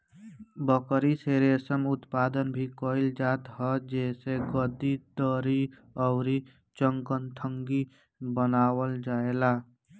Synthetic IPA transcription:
bəkɾiseɾesəmʊt̪pad̪ənbʱikoɪld͡ʒaːt̪ɦəd͡ʒɛːseɡəd̪id̪əɾi | ɔʊɾi | t͡ʃəŋkənt̪ʰəŋɡi | bənaːwəld͡ʒaela

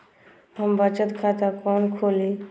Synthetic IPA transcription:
ɦəmbət͡ʃət̪kʰat̪akɔːnkʰoːliː

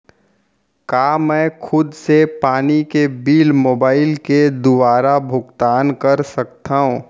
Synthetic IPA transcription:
kaːmɛ̃ːkʰʊd̪sepaːnikebiːlmoːbaːɪlked̪ʊʋaːɾabʱʊɡt̪aːnkɐɾsɐkt̪aːɦũː

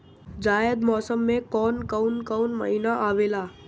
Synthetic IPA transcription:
d͡ʒajəd̪mɔsəmːekɔnkəwnkəwnmə̰ɦinaʔaʋela

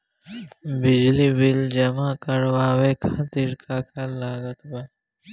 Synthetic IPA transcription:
bɪd͡ʒlibɪld͡ʒɐmaːkəɾwaːweːkʰat̪ɪɾkʰakʰalaːɡət̪ba

